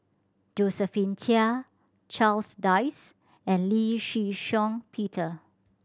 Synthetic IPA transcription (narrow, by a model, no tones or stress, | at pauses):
d͡ʒosəfĩntʰiə | t͡ʃalsdaɪs | ɛ̃nliʃiʃɔ̃ŋpʰitʰə